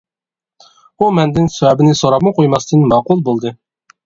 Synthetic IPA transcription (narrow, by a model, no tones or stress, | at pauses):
umɛnd̪ɪnsɛwɛbɪnɪsoɾɑpmɨqʰojmɑst̪ʰɨnmɑqulˠbolˠd̪ɨ